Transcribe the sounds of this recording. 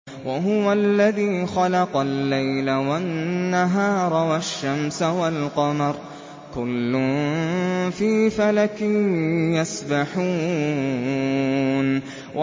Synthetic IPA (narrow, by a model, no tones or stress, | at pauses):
waɦʊwalːaðiːxɑlɑqɑlːajlawanːaɦɑːɾˤɑwaʃːamsawalqɑmɑɾˤ | kʊlːʊn | fiːfalakɪjasbaħuː | n | wʔa